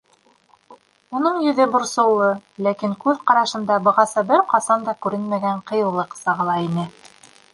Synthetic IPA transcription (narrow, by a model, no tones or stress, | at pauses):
unɤɴjɵ̆ðɘbŏɾsɤ̆lˠːɤlækiŋkʉðqɑɾɑʃɤ̆nd̪ɑbɤ̆ʁɑsɤbɘɾqɑsɑnd̪ɑkʉɾɘnmæɡæɴqɤ̆jɤ̆lˠɤqsɑʁɤ̆lˠɑinɘ